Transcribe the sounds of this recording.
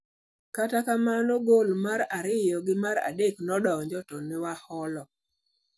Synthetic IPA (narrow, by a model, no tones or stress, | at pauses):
katakamanoɡolmaɾaɾɪjɔɡɪmaɾa̰deknɔdɔɲd͡ʒɔtɔnɪwahɔlɔ